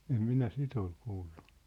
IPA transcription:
em minæ sit ol kuːlːu̥

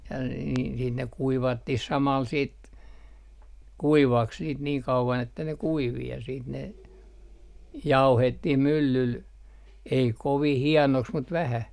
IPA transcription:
jɑ n n niːn ne kuiʋɑtːih sɑmɑl siːt kuiʋɑks niːt niːŋ kɑuʋɑn etːæ ne kuiʋi jɑ siːt ne ʋɑihetːih mylːyl ei koʋih hiɛnoks mut ʋæhæ

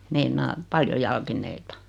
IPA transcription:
meinɑː pɑljo jɑlkinˑeitɑ

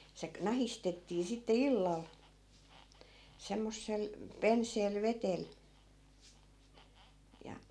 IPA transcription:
se knɑhistetːiː sitːe ilːɑl semːosːel penseːl ʋetel jɑ

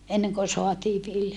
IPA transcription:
eneŋko soɑtiː ʋiljɑ

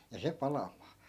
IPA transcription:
jɑ se pɑlɑmˑɑː

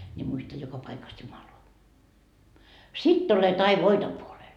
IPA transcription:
ni muistɑ jokɑ pɑikɑs jumɑloɑ sitː olet ɑi ʋoito puolel

